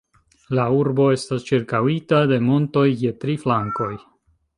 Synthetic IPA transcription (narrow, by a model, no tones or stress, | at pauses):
lauɾbo̞e̞stast͡ʃiɾkawitade̞mo̞nto̞jːe̞tɾiflaŋko̞j